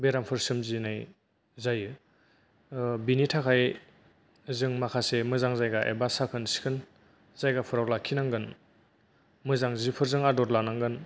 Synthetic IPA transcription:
beɾampʰɯɾsɯmzinaj | zajɯ | binitʰakʰaj | zɯŋmakʰasemɯzaŋzajɡaʔḛbasakʰɯnsi̥kʰɯn | z̥ajɡapʰɯɾawlakʰinaŋɡɯn | mɯzaŋzipʰɯɾzɯŋadɔɾlanaŋɡɯn

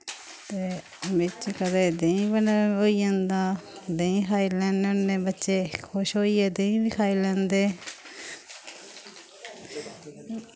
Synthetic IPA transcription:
t̪eː | mɪt͡ʃkəd̪eːd̪ẽĩːbənoːiːə̃nd̪ãːd̪ẽĩːkʰaːiːlɛ̃ːnəeːbətːʃeːkʰʊʃɦoːiːɛːd̪ẽĩːbiːkʰaːiːlɛ̃ːnd̪eː

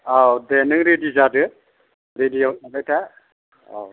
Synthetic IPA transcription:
awdɛnɯŋɾedizadɯ | ɾedijɔnabajtʰa | a̰w

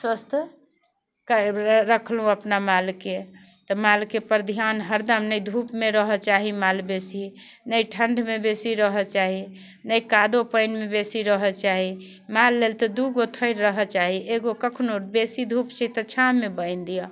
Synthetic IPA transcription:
swəst̪ʰ | kaɾəkʰlɦũəpnamalke | t̪ɔmalkepəɾd̪ʱjanɦəɾd̪əmnəjd̪ʱupmeɾəɦət͡ʃaɦimalbesi | nəjʈʰəɳɖʱmebesiɾəɦət͡ʃaɦi | nəjkad̪opəjnmebesiɾəɦət͡ʃaɦi | malːelt̪ɔd̪uɡot̪ʰəɪɾːəɦət͡ʃaɦiʔeɡokəkʰnobesid̪ʱupt͡ʃʰɛt̪ət͡ʃʰaːebəɪnd̪ijɔ

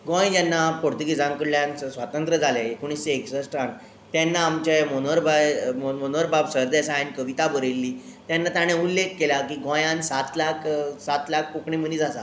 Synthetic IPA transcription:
ɡõj̃d͡ʑjanːapoɾt̪uɡid͡zamkəɽljãnt͡səsʋat̪ənt̪ɾəd͡zʱaleekuɳ̃ist͡seːksəsʈan | t̪janːaːmt͡ɕemonoɾbajmomonoɾbabsəɾd̪asajnkəʋit̪abəɾelːiː | t̪janːat̪aɽ̃eulːekʰːelakiːɡõjãnsat̪lakʰsat̪lakʰpokɳimənid͡zasa

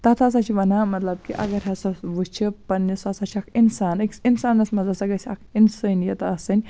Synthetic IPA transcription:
t̪ɐt̪ʰas̬at͡ʃʰiʋɐnaːmɐt̪lɐb̚kiʔɐ̰ɡɐɾɦɐsɐsʋɨt͡ʃʰipɐnːisɐsɐt͡ʃʰɐkʰinsaːnɨkinsaːnːɐsmɐzɐsɐɡɐt͡ʃʰɐkʰinsɨnjɐt̪ɐsɨnʲ

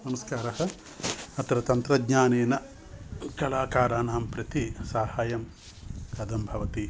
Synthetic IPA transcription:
nɐmɐskaːɾɐɦɐ̆ | ɐt̪ɾɐt̪ɐnt̪ɾɐd̪ɲaːneːnɐ | kɐlaːkaːɾaːnaːmpɾɐt̪isaːhaːjɐm | kɐd̪ɐmbʱɐʋɐt̪i

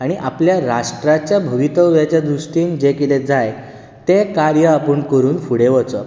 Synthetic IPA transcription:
aɽ̃iʔapljaɾaʂʈɾat͡ɕjabʱuʋit̪əwʋjat͡ɕjad̪ɾusʈiːnd͡ʑekiled͡zaj | t̪ekaɾjəapəɳkəɾuːnfuɽeʋət͡sə

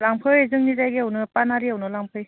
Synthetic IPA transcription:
laŋpʰɯjzɯŋnizajɡiawnɯpanaɾiawnɯlaŋpʰɯj

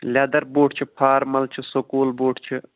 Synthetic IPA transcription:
lʲaːd̪ɐɾboːʈʰt͡ʃʰipʰaːɾmɐlt͡ʃʰisokoːlboːʈʰt͡ʃʰi

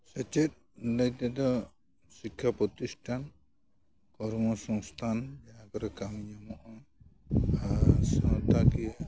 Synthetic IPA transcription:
sat͡ʃɛt̪̚ | ləjt̪ɛd̪ɔ | sikʰːapɾɔt̪isʈan | kɔɾmɔsɔŋst̪ʰand͡ʒaakɔɾɛkamiɲamɔʔɔ | asat̪akija

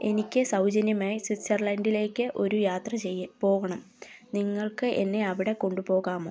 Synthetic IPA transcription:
e̞nikʲːɨsɐwd͡ʑɐnjɐmaːjiswit̪sɐrlɐndile̞ːkʲːɨʔo̞ɾujaːt̪rɐt͡ɕejpo̞ːɣɐɳɐm | niŋːɐɭkɨʔe̞nːe̞ɐʋiɽe̞ko̞ɳɖupo̞ːɣaːmoː

